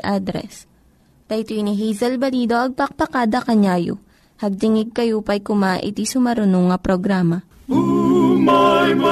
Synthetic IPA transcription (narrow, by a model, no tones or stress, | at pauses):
ʔad̪ɾɛ̰s | t̪ɐjt̪ujniɦijzɐlbɐliːd̪oʔɐɡ̚pɐk̚pɐkaːd̪ɐkɐɲaːjo̰ | hɐɡ̚d̪ɪŋɪɡ̚kɐjupɐjkʊmaːʔɪ̰t̪isʊmɐɾʊnoŋɐpɾoɡɾaːmɐ